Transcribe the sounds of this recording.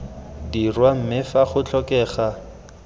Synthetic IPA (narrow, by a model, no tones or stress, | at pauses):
dirwam̩mɪfaχʊt͡ɬʰɔkɛːχa